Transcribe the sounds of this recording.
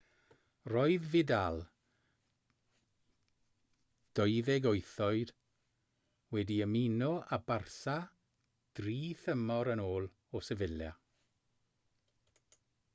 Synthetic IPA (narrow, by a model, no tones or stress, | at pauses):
rɔɨðvɪdalˠ | d̥ɔɨðɛɡoɨθɔɨd̥ | wɛdiəminɔʔabarsa | d̥riːθəmɔɾənoːlˠ | ɔsɛvɪlja